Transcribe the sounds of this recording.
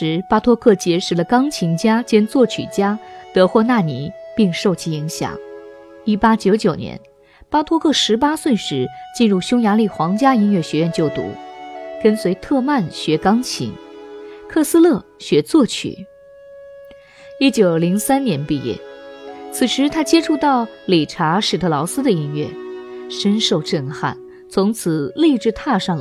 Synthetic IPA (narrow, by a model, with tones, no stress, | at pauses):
ɻ̩˧˥pa˥t̪ʰwɔ˥kʰɤ˥˩t͡ɕjɛ˧˥ʂɻ̩˨˩lə˦kɑ˥ŋt͡ɕʰi˧˥ŋt͡ɕja˥t͡ɕjɛ˥nt͡swɔ˥˩t͡ɕʰy̰˨˩t͡ɕja˥t̪ɤ˧˥xwɔ˥˧na˥˩ni˧˥pi˥˧ŋʂo˥˩ʊt͡ɕʰi˧˥i˧˥ŋɕjɑ̰˨˩˦ŋ | i˥pa˥t͡ɕjo˧˥ʊt͡ɕjo˨˩ʊnjɛ̰˧˥n | pa˥t̪ʰwɔ˥kʰɤ˥˩ʂɻ̩˧˥p̬a˥swə˥˩nʂɻ̩˧˥t͡ɕi˥˧nɻu˥˩ɕjʊ˥ŋja˧˥li˥˩xwɑ˧˥ŋt͡ɕja˥i˧˥nɥɛ˥˩ɕɥɛ˧˥ɥɛ˥˧nt͡ɕjo˥˩ʊt̪ṵ˧˥kə˥nswe˧˥ɪt̪ʰɤ˥˧ma˥˩nɕɥɛ˧˥kɑ˥ŋt͡ɕʰḭ˧˥ŋ | kʰɤ˥˧sɹ̩˥lɤ˥˩ɕɥɛ˧˥t͡swɔ˥˩t͡ɕʰy̰˨˩˦ | i˥t͡ɕjo˨˩ʊli˧˥ŋsa˥nnjɛ˧˥npi˥˧jɛ̰˥˩t͡sʰɹ̩˨˩ʂɻ̩˧˥t̪ʰa˥t͡ɕjɛ˥ʈ͡ʂʰu˥˧t̪ɑ˥˩ʊ | li˨˩ʈ͡ʂʰa˧˥ʂɻ̩˨˩t̪ʰɤ˧˥lɑ˧˥ʊsɹ̩˥d̪ə˨i˥nɥɛ˥˩ʂə˥nʂo˥˧ʊʈ͡ʂə˥˧nxa̰˥˩n | t͡sʰʊ˧˥ŋt͡sʰɹ̩˨˩li˥˧ʈ͡ʂɻ̩˥˧t̪ʰa˥˧ʂɑ˥˩ŋ